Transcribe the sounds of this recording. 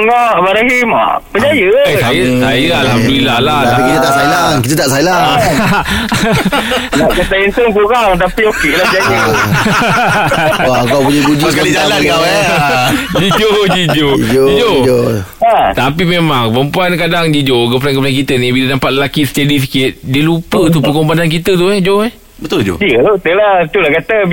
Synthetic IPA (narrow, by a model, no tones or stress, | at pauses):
ŋaʔbaɾaɦima̰ʔpəd͡ʒajəəsajəsajəalhamdulilahlaapikit̪ət̪aʔsajəlaŋkit̪ət̪aʔsajəla | lakət̪aisəŋkuɾaŋt̪apiokelapəd͡ʒajə | aŋkawpuɲaɡud͡ʒokialaa | id͡ʒod͡ʒid͡ʒod͡ʒod͡ʒid͡ʒod͡ʒo | at̪apimemaŋpəmpuankadaŋd͡ʒid͡ʒokəpulankəbadankit̪ənĩbilanampat̪̚ləlakisə̥t̪adis̬ikɪt̪̚diəlupət̪̬upəkombanank̬it̪ət̪̬uɛd͡ʒoɛ | bət̪ʊld͡ʒo̰diəlot̪əlat̪ulahkat̪ə